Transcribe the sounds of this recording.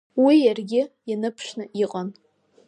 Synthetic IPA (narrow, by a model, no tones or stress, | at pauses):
wijarɡʲɪjanɨpʰʂnɨʔiqʼan